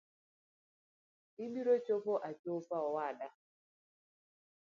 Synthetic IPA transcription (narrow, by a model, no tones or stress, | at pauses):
imiɾot͡ʃopoʔat͡ʃopaɔwada